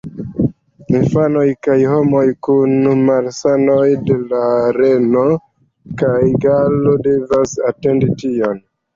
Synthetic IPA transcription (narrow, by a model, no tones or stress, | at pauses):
infano̞jkajho̞mo̞jkunmalsano̞jde̞laɾe̞no̞ | kajɡalode̞vasate̞nditio̞n